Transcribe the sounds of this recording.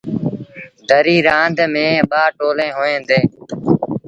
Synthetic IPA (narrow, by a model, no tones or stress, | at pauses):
d̪ʱəɾiːɾãːnd̪ʱmẽːɓaːʈoːlẽːɦoːẽːnd̪eː